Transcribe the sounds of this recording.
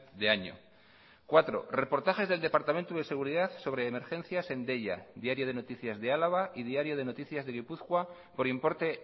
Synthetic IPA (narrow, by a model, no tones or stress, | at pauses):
ðeaɲo̰ | kwat̪ɾo̞̰re̞po̞ɾt̪axe̞zðe̞ld̪e̞paɾt̪amẽ̞nt̪uð̞e̞se̞ɣ̞uɾiðaθso̞βɾe̞ːme̞ɾxe̞n̟θjase̞nd̪e̞ʎa̰ðjaɾjo̞ð̞e̞no̞t̪iθjazðe̞alaβ̞aʔið̞iaɾjo̞ð̞e̞no̞t̪iθjazðe̞ɣipuθkwa | po̞ɾimpo̞ɾt̪e̞